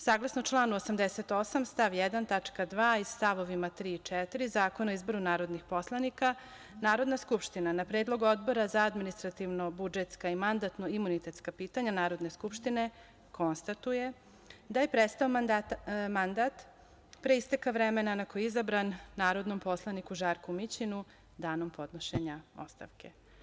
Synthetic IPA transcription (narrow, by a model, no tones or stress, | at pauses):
saːɡlˠasnot͡ʃlˠaːnuosamd̪ese̞t̪o̞samst̪aʋjed̪ant̪at͡ʃkad̪ʋaːist̪aʋo̞ʋimat̪ɾiːt͡ʃɛt̪iɾizaːko̞naoizbo̞ɾunaːɾo̞d̪nixpo̞slˠanika | naːɾo̞d̪naskupʃt̪inanapɾed̪lˠo̞ɡuo̞d̪bo̞ɾazaad̪minist̪ɾat̪iʋno̞bud͡ʒet̪skaimand̪at̪noimunit̪e̞t̪skapiːt̪aɲanaːɾo̞d̪ne̞skupʃt̪ine̞ | kʰo̞nst̪at̪uje̞ | d̪aje̞pɾet̪st̪aod̪mand̪at̪ | pɾeist̪ekaʋɾemenanakojiizabɾanːaːɾo̞d̪no̞mpo̞slˠanikuʒaːɾkumit͡ɕinu | d̪aːno̞mpo̞d̪no̞ʃeɲao̞̰st̪a̰ʋkʰe